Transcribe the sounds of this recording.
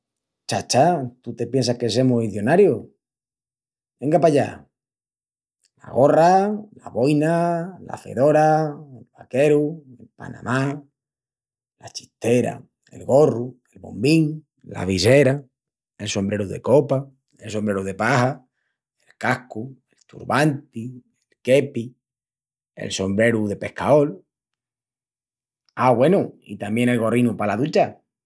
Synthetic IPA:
t͡ʃat͡ʃat̪ut̪e̞pjens̬ahke̞s̬emuiθjonaɾjo | beŋɡapaʎa̰ | la̰ɣo̞ralaβo̞jnala̰fe̞̰ðo̞ɾaelβake̞ɾue̞lpa̰na̰ma | lat͡ʃi̥t̪e̞ɾa̰ | e̞̰lɣo̞rue̞lβo̰mbiŋ | la̰βise̞ɾa | e̞lso̞mbɾe̞ɾuðe̞̰ko̞pa | elso̞mbɾe̞ɾuðe̞paha | e̞lkahkue̞lt̪ṵɾβant̪i | elke̞pi | ḛlso̞mbɾe̞ɾuðe̞pe̞hkao̞l | aɣwe̞nuḭt̪amje̞ŋe̞lɣo̞rinupalaðut͡ʃa

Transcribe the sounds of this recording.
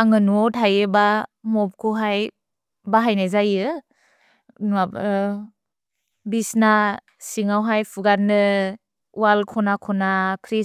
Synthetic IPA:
aŋɯnuɔtɦajebamɔp̚kʰuɦaj | baɦajnajzajɯ | nab̰ | bisna | siŋawɦajpʰuɡaɾnɯ | walkʰɔnakʰɔnakʰɾi

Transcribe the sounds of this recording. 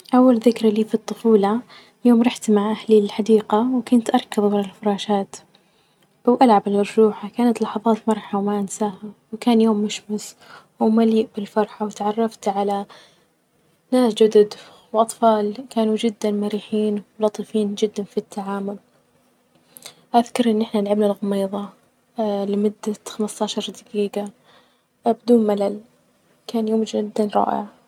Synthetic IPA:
ʔawːalðɪkɾaliːfit̪ˤːʊfuːlɑ | joːmɾˤɑħt̪maʕʔahliɪlħad̪iːqawkʊnt̪ʔɑɾˤkɪðˤwalalfʊɾˤɑːʃaːt̪ | b̥awʔalʕabɪlmɑɾˤʒuːħakaːnat̪lɑħɑðˤɑːt̪mɑɾˤħawmaʔansaːhawkaːnjoːmːʊʃmɪs | wmaliːʔbɪlfɑɾˤħawɪt̪ʕɑrˤːɑft̪ʕala | naːsd͡ʒʊd̪ad̪ | wʔɑt̪ˤfɑːlkaːnud͡ʒɪd̪ːanmaɾiːħiːnwwlɑt̪ˤifiːnd͡ʒɪd̪ːanfit̪ʰːaʕaːmʊl | ʔaðkɑɾˤʔɪnːʔɪħnanɪlʕabnalɣʊmiːðˤɑ | lɪmʊd̪ːaxamɪst̪ɑːʃɑɾˤd̪ɪɡiːɡa | bɪd̪uːnmalal | kaːnjoːmd͡ʒɪd̪ːanɾˤɑ̰ːʔɪ̰ʕ

